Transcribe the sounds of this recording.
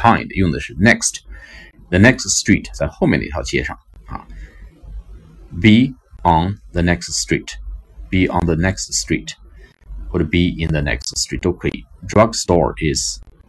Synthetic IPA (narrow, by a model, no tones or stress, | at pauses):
kʰãɪ̃ndḭvə̃n̩ðɪʃɨnɛkst | ðɨnɛksstɹ̥itsəhoʊmɛ̰nḭtʰalˠtʰɛʃɑ̰̃ŋʌ̰ | biə̃nðənɛkststɹ̥itb̥iʔə̃nðənɛkststɹ̥it | əɾɨbiɪ̃nðɨnɛ̰kststɹ̥it̚d̥oʊkʰḭdɹʌɡstɔ̰ɹɪz̥